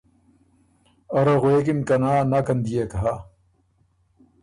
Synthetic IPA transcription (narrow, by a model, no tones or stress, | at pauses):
oɾɐɣwek̬imkɐnaːnakɐnd̪ijekɐɦa